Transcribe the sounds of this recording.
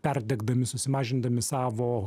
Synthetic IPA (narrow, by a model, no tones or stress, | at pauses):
pʲɛrʲd̪ʲɛɡd̪ɐmʲɪsʊsʲɪmɑːʒʲɪnd̪ɐmʲɪsɑːʋoː